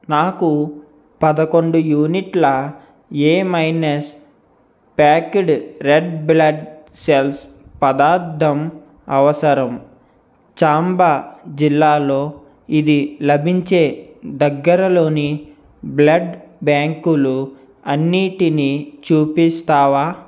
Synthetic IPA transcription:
naːku | pɐd̪ɐko̞ɳɖujuːniʈlɐ | eːmɐjnɐs | paːkeɖɾeɖblɐɖ | sels | pɐd̪aːɾt̪ːɐm | ɐʋɐsɐɾɐm | t͡ʃaːmbad͡ʒilːaːlo̞ː | id̪ilɐbʱiɲt͡ʃe̞ːd̪ɐɡːɐɾɐlo̞ːni | blɐɖbaːŋkulu | ɐnːiːʈinit͡ʃuːpist̪aːʋaː

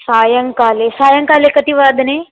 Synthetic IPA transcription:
saːjəŋkaːlesaːjəŋkaːlekət̪iʋaːd̪neː

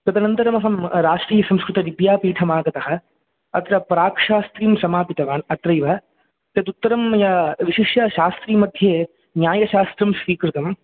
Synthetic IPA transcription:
kɾɐd̪ɐnɐnt̪ɐɾɐmɐɦɐmɾaːʂʈɾiːjɐsɐmskɾut̪ɐʋibjaːpiːʈʰɐmaːɡɐt̪ɐɦɐ̆ | ɐt̪ɾɐpɾaːkʂaːst̪ɾiːmsɐmaːpit̪ɐʋaːnɐt̪ɾɐjʋɐ | t̪ɐt̪ut̪ːɐɾɐmːɐjaʋiʃiʂjɐʃaːst̪ɾiːmɐd̪ʱjeː | njaːjɐʃaːst̪ɾɐmsʋiːkɾɪt̪ɐm

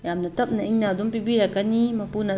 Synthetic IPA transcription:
jamnat̪ap̚naʔiɲnad̪umpibiɾakanimapuna

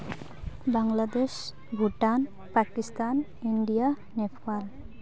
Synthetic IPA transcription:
baŋlad̪es | ɡʱuʈan | pakist̪an | inɖija | nepʰal

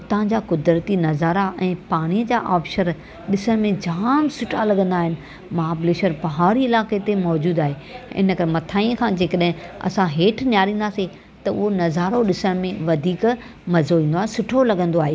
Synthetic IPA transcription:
t̪ɐɦãɲd͡ʑakʊd̪ɾət̪inɐzaːɾaʔɛ̃ːpaːɽ̃iəd͡ʑaːʔaːpʃəɾ | ɗɪsəɽ̃mẽd͡ʑaːmsʊʈʰalɐɡə̃nd̪aːɦɪnɪ̆ | maːbleːʃəɾpɐɦaːɾiɪlaːket̪emɔːd͡ʑuːd̪aːɦe | ɪ̰nəkɐɾmɐt̪ʰaːiːə̃kʰãːd͡ʑeːkəɗɦɪ̃ɐ̰sãɦeːʈʰnjaːɾĩːn̆d̪aːse | t̪ɐʊ̰ɦonɐzaːɾoɗɪsəɽ̃mẽʋɐd̪ʱiːkmɐzoʋĩːnd̪oaːɦesʊʈʰolɐɠə̃nd̪oaːɦeː

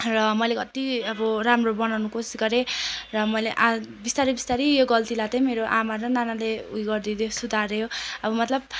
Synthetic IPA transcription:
rʌmʌjlekʌt̪iʌbʌramrobʌnawnukosi̥sɡʌɾerʌmʌjleʔabist̪aɾibist̪aɾijoɡʌlt̪ilat̪emeɾoʔamaɾʌnanaleujɡʌrd̪id̪osud̪ʱaɾeɦoʌbʌmʌt̪lʌb̚

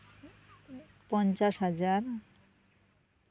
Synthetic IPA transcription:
pɔnt͡ɕaʃɦad͡ʑaɾ

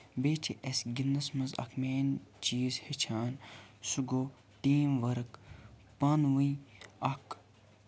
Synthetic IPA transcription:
beːt͡ʃʰeʔesɡinɐsmɐzɐ̰kʰmeːnt͡ʃiːzhet͡ʃʰaːnsuɡoː | tiːmʋɐɾɨk | pɐnʋɐ̃ɐk

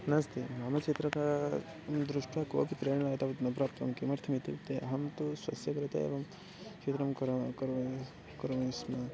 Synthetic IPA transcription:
nɐst̪imaːmɐt͡ʃʰit̪ɾɐka | md̪ɾuʂʈʋako̰ːpip̪ɾeːɽ̃ɐlat̪ɐʋt̪nɐpɾaːpt̪ɐmkimɐɾt̪ʰɐmit̪ipt̪eɐɦɐmt̪uswɐsjɐkɾɐt̪ɐ̰ḛːʋɐm | kt͡ʃʰet̪ɾɐmkɾkɐɾ | kɐɾmɐismɐ

